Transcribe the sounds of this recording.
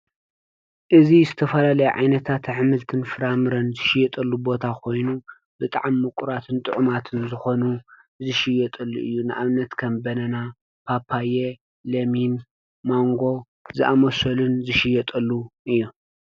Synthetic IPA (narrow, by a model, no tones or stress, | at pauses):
ʔɨzizɨt̪ʰɐfɐlalɐjʕa̰jnɐt̪ʰat̪ʕɨmɨlt̪ʰɨnfɨɾamɨɾɐnzɨʃɪjɛt̪ʼɐlːubo̞t̪ʰakʰo̞jnu | bɨt̪ʼa̰ʕamːɨkʼuɾat̪ʰɨnt̪ʼɨʕʊmat̪ʰɨnzɨxo̞nu | zɨʃɪjɛt̪ʼɐlːuʔɨ̰jːunɨʔaβnːɐt̪kʰɐmbɐnɐna | pʰapʰːaje | lɐmin | moŋɡo̞ | zɨʔamɐsɐlunzɨʃɪjɛt̪ʼɐlːuʔɨjːu